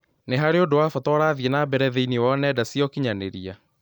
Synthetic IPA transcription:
neɦaɾeodowafɔtɔɾaːðjenabɛɾɛðeiniwanɛdasijɔkiɲaneɾia

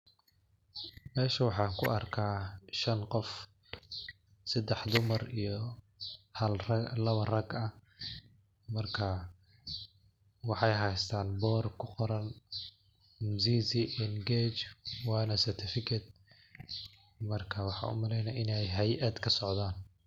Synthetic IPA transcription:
mɛːʃɐwɑħɑːkʰʊ̰ʔɐrkʰaːʃɐnqɔf | sɐd̪ɛħd̪ʊmɐrijɞ | hɐlrɐlɐβɐrɐɡɐ | mɐrkʰɐ | wɑħɑjɦɛjst̪ʰaːnbɔːrkʰʊqɔɾɐn | mziːzɪʔɛnɡɛːt͡ʃwɑːnɐsɐrt̪ʰɪfɪkʰɐd̪̚ | mɐrkʰɐwɑħɑ̰ːʔʊ̰mɐlɛjnɐʔɪnɛjɦɛjʔɐd̪kʰɐsɔʕd̪aːn

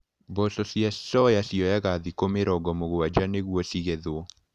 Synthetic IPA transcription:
bɔsɔsiasɔjasiɔjaɣaðikomeɾɔɡɔmoɣowad͡ʒaneɣwɔsiɣɛðwɔ

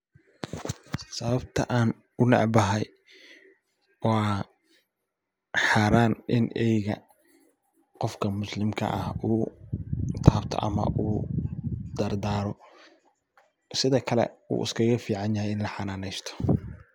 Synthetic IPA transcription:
sɐβɐbt̪ʰɐ̰ʔaːn | ʊnɑ̰ʕbɐɦɛj | wɑː | ħaːɾaːnʔɪnɛjɣɐ | qɔfkʰɐmʊslɪmkʰɐ̰ʔɐhuː | t̪ʰaːbt̪ʰɔ̰ʔɐ̰mɐ̰ʔuː | d̪ɐrd̪aːɾɔ | sɪðɐkʰɐlɛ̰ṵːɪ̰skʰɐɣɐfiːʕɑnjɐhɛjɪnlɐħɑnaːnɛjst̪ʰɔ̥

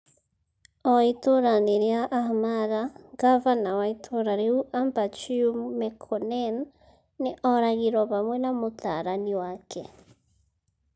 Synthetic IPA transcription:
ɔitoɾaniɾiaʔːhmaɾaɡavanawaitʰoɾaɾeuʔambat͡ʃiumekʰɔnenː | iʔɔɾaɣiɾɔβamwenamutʰa̰ɾaniwakʰḛ

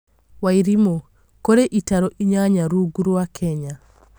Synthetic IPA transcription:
waiɾimo | koɾeʔitaɾoʔiɲaɲaɾuɡuɾuwakʰɛɲa

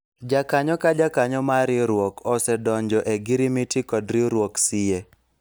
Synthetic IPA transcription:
d͡ʒakaɲɔkad͡ʒakaɲɔmaɾɪɾwɔkɔsɛdɔɲd͡ʒɔʔeɡiɾimitikɔdɾɪɾwoksɪje

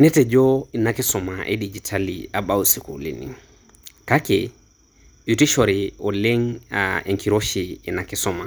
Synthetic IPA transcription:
nɛted͡ʒoinakisɔmaʔḛɗid͡ʒitʰaliaɓawusikṵlḭnḭ | kakḛ | jutiʃoɾioleŋaeŋkiɾoʃiːnakisɔma

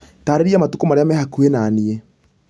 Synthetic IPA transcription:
taːɾeɾiamatukomaɾeamɛhakuenaːnie

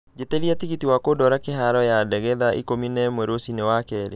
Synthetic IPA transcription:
d͡ʒeteɾiatiɣitiwakodɔɾakeɦaɾɔjadɛɣɛðaʔḭkominɛmweɾosinewakɛɾe

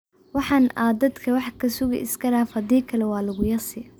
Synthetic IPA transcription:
wɑħɑːnaːd̪ɐd̪kʰɐwɑħkʰɐsʊɣɪ̰ʔɪ̰skʰɐɽaːfhɐd̪iːkʰɐlɛwɑːlɐɣʊjɐrsɪ

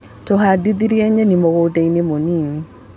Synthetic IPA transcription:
toɦadit̪iɾiɛɲenimokoteŋnimoniŋi

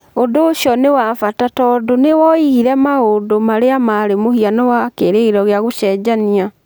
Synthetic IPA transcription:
ondoːɕiɔnewafatatɔːdonewɔihiɾɛmaodomaɾeamaɾemohianɔwakeɾeiɾɔɣeaɣoʃɛd͡ʑania

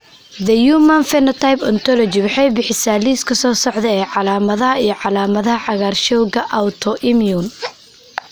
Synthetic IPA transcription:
d̪ɐjuːmɐnfɛnɐt̪ʰajpɔnt̪ʰɔlɔt͡ʃɪwɑħɑjbɪħɪsaːliːskʰɐsɔːsɔʕd̪ɛɛːʕɑlaːmɐðɐɦɐijɞʕɑlaːmɐðɐɦɐʕɑɣaːrʃɔwɣɐʔawt̪ʰɔʔɪmjun

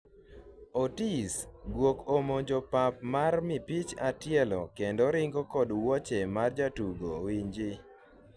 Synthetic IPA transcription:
otisɡwokomod͡ʒɔpap̚marmɪpit͡ʃatjɛlɔ̰kendoɾɪŋɡokɔdwɔt͡ʃɛmard͡ʒatuɡo̰wiɲd͡ʒɪ

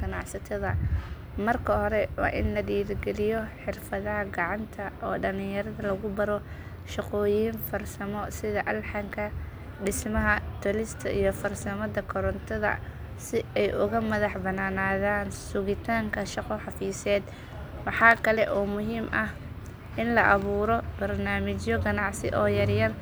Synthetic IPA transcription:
ɡɐnɑʕsɐt̪ʰɐðɐ | mɐrkʰɐhɔɾɛwɑ̰ːʔɪnlɐɖiːɾɡɛlɪjɔħɪrfɐðɐɦɐɡɑʕɑnt̪ʰɐʔɔːɖɐlɪjɐɾɐðɐlɐɣʊbɐɾɔ | ʃɑqɔːjiːnfɐrsɐmɔsɪðɐʔɐlħɑŋkʰɐ | ɖɪsmɐɦɐt̪ʰʊlɪst̪ʰɐʔijɔfɐrsɐmɐdɐkʰɔɾɔnt̪ʰɔðɐ̰ | sɪɛjʔʊɣɐmɐðɑħbɐnaːnaːðaːnsʊɣɪt̪ʰaːŋkʰɐʃɑqɔħɑfiːsɛːd̪ | wɑħɑːkʰɐlɛʔɔːmʊɦiːmʔɐh | ʔɪnlɐʔɐβuːɾɔbɐrnaːmɪt͡ʃjɔɡɐnɑʕsɪ̰ʔɔːjɐrjɐr

